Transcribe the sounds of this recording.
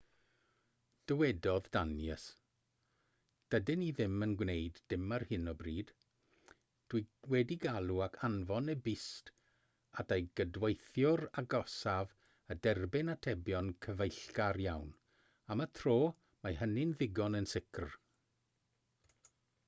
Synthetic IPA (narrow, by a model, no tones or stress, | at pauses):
d̥əwɛdɔðdanjɛs | d̥ədɪniðɪmənɡwnejdːɪmarhɪnɔbriːd̥ | d̥wiwɛdiɡalˠuakʰanvɔnɛbɪst | adʰejɡədwejθjʊraɡɔsav | ədɛrbɪnatʰɛbjɔnkʰəvejɬkarjawn | amatʰroː | maɦənɪnðɪɡɔnənsɪkʰr